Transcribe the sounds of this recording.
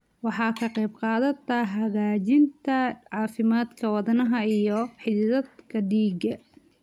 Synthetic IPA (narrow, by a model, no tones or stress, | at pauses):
wɑħɑːkʰɐqɛjbqɑːðɐt̪ʰɐɦɐɣaːt͡ʃɪnt̪ʰɐʕɑːfɪmaːd̪kʰɐwɑðɐnɐɦɐijɔħɪððɐd̪kʰɐɖiːɡɐ